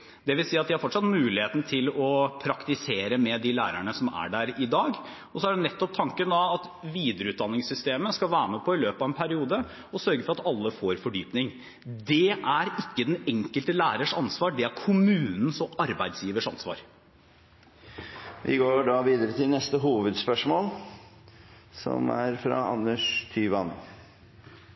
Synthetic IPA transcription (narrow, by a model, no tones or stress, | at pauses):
d̪ɛʋɪlsiːɑt̪̚ʋɪhɑɾfɔʈʂɑt̪mʉːlɪheːt̪n̩t̪ʰɪlɔpʰɾɑkt̪ɪseːɾəmɛd̪ilæ̰ːɾæɳəsɔmæ̰ɖæɾɪd̪ɑːɡ | ɔsɔæɖɛnɛt̪ːɔp̚t̪ʰɑŋkənd̪ɑːt̪ʋiːd̪əɾəʉːt̪̚d̪ɑnːɪŋsʏst̪eːməskɑʋæːɾmɛpʰɔɪløːpɑːʋɛnpʰæɾɪuːd̪ə | ɔsœɾɡəfɔɾɑt̪ɑlːəfoːɾfɔɖyːpnɪŋ | d̪ɛʔæɾɪkːəd̪ɛnɛŋkəlt̪əlæːɾəʂɑnsʋɑːɖɛæɾkʰʊmʉːnn̩sɔʔɑɾbæɪd̪sjiːʋəʂɑnsʋɑ̰ːɾ | ʋɪ̰ɡoːɖɑʋiːd̪əɾət̪ʰɪlnɛst̪əɦuːʋəd̪spœʂmoːl | sɔ̰mæɾfɾɑ̰ɑnːəʂt̪ʰyːʋɑn